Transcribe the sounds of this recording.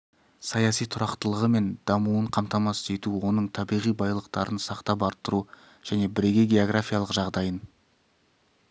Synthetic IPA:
sɑjɑsijt̪ʰʊɾɑqt̪əlˠəʁəme̞nd̪ɑmuəɴqʰɑmt̪ɑmɑsəze̞t̪uwo̞nəɴt̪ʰɑbijʁijbɑjlˠəqt̪ɑɾʔənsɑqt̪ɑp̬ɑɾt̪ːəɾu | ʒ̥æne̞bɪɾe̞ɡʲeɡʲe̞oɡrafʲijalˠəqʒɑʁd̪ɑjən

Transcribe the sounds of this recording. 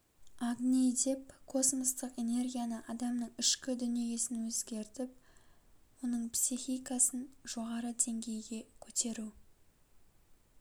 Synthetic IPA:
aɡnʲijd̪e̞pkʰo̞smost̪əqe̞ne̞rɡʲijanəʔɑd̪ɑmnəɴɪʃkʲɪd̪ʏnije̞sɪnwɵzɡʲe̞ɾt̪ɪp̚ | wo̞nəɴpsixʲijkɑsənʒ̥o̞ʁɑɾəd̪e̞ŋɡʲe̞jɡʲe̞kʲʰɵt̪e̞ɾu

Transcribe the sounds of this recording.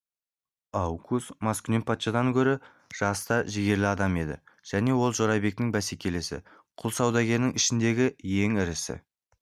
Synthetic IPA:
ɑwkʰusmɑskʲʏne̞npʰat̪ʃɑd̪ɑŋkʲʰɵɾɪ | ʒ̥ɑst̪ɑʒɪɡʲe̞ɾlɪɑd̪ɑme̞d̪ɪ̰ʒ̥æne̞wo̞lˠʒo̞ɾɑjbe̞k̚t̪ɪŋbæsekʲe̞lesɪ̰ | qʰʊlˠsɑwd̪ɑɡʲe̞ɾnɪŋɪʃɪnd̪e̞ɡʲɪje̞ŋɪɾɪsɪ̰

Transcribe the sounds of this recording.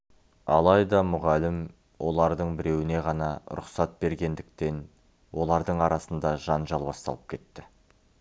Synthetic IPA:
ɑlˠɑjd̪ɑmʊʁælɪm | wʔo̞̰lˠɑɾd̪əɴbɪɾe̞wɪne̞ʁɑnɑɾʊ̰qsɑt̪̚be̞ɾɡʲe̞nd̪ɪk̚t̪e̞n | wo̞lˠɑɾd̪əɴɑɾɑsənd̪ɑʒɑnʒɑlˠbɑst̪ɑ̰lˠəp̚kʲʰe̞t̪ːɪ

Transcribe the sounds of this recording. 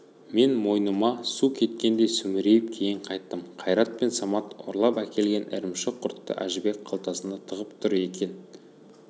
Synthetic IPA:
me̞nmo̞jnəmɑsukʲʰe̞t̪kʲe̞nd̪e̞jsʏmɪɾe̞jɪp̚kʲʰe̞jɪɴqʰɑjt̪ːəmqʰɑjɾɑt̪̚pe̞nsɑmɑt̪o̰ɾlˠɑpækʲe̞lɡʲe̞nʔɪ̰ɾɪmʃɪqʰʊɾt̪ːə̰ʔæ̰ʒɪbe̞kqʰɑlˠt̪ɑsənd̪ɑt̪ʰəʁəpt̪ʰʊɾe̞kʲe̞n

